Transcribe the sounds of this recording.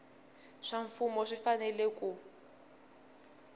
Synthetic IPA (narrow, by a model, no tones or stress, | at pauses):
ʂaɱfumɔʂifanɛlekʼu